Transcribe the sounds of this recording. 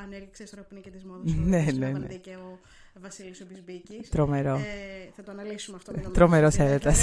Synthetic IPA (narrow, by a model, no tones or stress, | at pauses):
nenenḛ | t̪ɾomeɾo | st̪ɾomeɾoseɾet̪ɐs